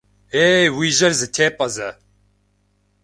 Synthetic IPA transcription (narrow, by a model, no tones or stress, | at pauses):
eːwiːʒɐɾzɨt̪ʰeːpʼɐzɛ